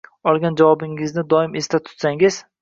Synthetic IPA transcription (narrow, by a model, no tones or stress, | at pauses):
ɒlˠɡʲand͡ʒavɒbɪŋɪznɪd̪ɒɪme̞st̪at̪ʰʊ̥t̪saŋɪz̥